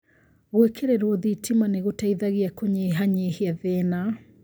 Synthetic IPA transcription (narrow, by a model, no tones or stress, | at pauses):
ɣwɛkʰeɾɛɾwɔðitimaneɣutaiðaɣiakɔɲeɦaɲehiaðɛna